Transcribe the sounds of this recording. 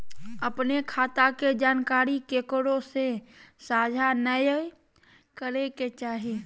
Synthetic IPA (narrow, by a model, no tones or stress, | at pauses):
əpnekʰaːt̪aked͡ʒaːnkaːɾikeːkɽõsesaːd͡ʒʱanəj | kəɾeket͡ʃaːɦe